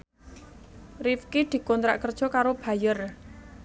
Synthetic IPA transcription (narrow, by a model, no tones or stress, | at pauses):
rifkid̪̥i̤kɔnt̪ɾa̰ʔkərd̥ʒ̥ɔ̤kaɾob̥ä̤jər